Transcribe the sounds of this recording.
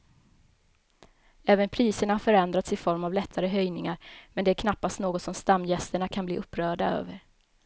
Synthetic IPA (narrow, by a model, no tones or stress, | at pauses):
ɛːvənpʰɾiːsəɳahaɾfœɾɛnd̪ɾat̪sɪfɔɾmavlɛt̪ʰːaɾəɦœjnɪŋaɾmɛnd̪ɛæɾkʰnapːast̪noːɡɔt̪sɔmst̪amːjɛst̪əɳakʰanblḭːɵpːɾœːɖaø̰ːvəɾ